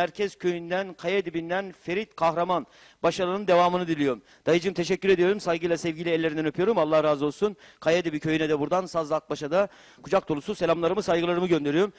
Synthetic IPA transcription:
æɾcʰɛz̥cʰøjynd̪ænkʰajad̪ibind̪ænfe̞ɾit̪kʰahɾaman | baʃalˠɯnɯnd̪evaːmɯnɯd̪ilʲijo̞ɾum | d̪̥ajɯd͡ʒɯmt̪ʰeʃɛcːyɾed̪ijo̞ɾumsajɡɯjlˠasɛvɟilʲiɛlʲːeɾinɛnøpʰyjo̞ɾumalˠːahɾaːzɯo̞lˠsunkʰajad̪ibicʰø̞jynɛd̪ɛbuɾd̪ansazlˠak̚baʃad̪a | kʰud͡ʒak̚d̪olˠususelʲamlˠaɾɯmɯsajɡɯlˠaɾɯmɯɟø̞nd̪e̞ɾijoɾm

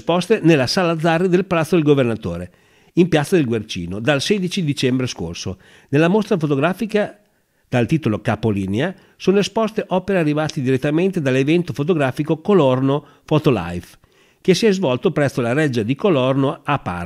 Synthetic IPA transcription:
spɔst̪enelːasaːlad̪zːarːid̪elpalat̪sod̪elɡovernat̪o̰ːɾe | impjat̪sad̪elɡwert͡ʃḭːnod̪alsɛd̪it͡ʃid̪it͡ʃɛmbɾesko̰rso | nelːamost̪ɾafot̪oɡɾaːfika | d̪̥alt̪iːt̪olokapoliːnea | soːnoespɔst̪eʔɔːpeɾearːivaːt̪id̪iɾet̪ːament̪ed̪alːevɛnt̪ofot̪̬oɡɾaːfikokolɔrno | fɔt̪ola̰jf | k̟esiɛzvɔlt̪opɾɛstːolaɾɛd͡ʒːad̪ikolɔrnoapːa̰

